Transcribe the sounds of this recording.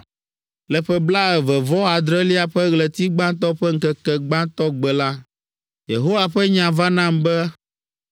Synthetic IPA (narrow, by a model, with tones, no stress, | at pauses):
lɛ˨ɸɛ˦bla˦ɛ˨vɛ˨vɔ˦a˨d̪ɾɛ˦li˦a˨ɸɛ˦ɣlɛ˨t̪i˦ɡ͡bã˦t̪ɔ˦ɸɛ˦ŋ̩˦kɛ˨kɛ˨ɡ͡bã˦t̪ɔ˦ɡ͡bɛ˨la˦ | je˨ɦo˦wa˨ɸɛ˦ɲã˨va˦nã˦mbɛ˦